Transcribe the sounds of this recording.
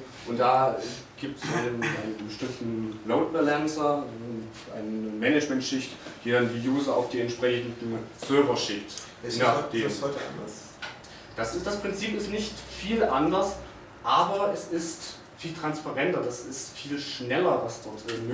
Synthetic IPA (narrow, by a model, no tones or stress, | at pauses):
ʔʊntd̥aːɛ | ɡ̥iːp̚tsʔaɪnənaɪnəbəʃtɪmtn̩loʊt̚b̥ɛlɛnsɐ | ʔa̰ɪnəmɛnɛd͡ʒmɛntʃɪçtd̥iːdandiːjuːzɐa̰ʊfd̥iːɛntʃpʁ̥ɛçn̩dn̩sœɐvɐʃɪkt | nad̥eːshɔtəa̰ndɐs | d̥asɪsd̥aspʁ̥ɪnt͡siːpɪstnɪçtfiːlʔandɐs | ʔaːbɐɛsɪst | fiːltʁ̥anspaʁɛntɐdasɪstfiːlʃnɛlɐvasd̥ɔʁtʔɪm